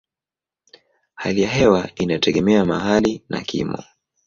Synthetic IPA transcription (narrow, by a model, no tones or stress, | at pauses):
halijaɦɛwainatʰɛɠɛmɛamaɦalinʔa̰kʰḭmɔ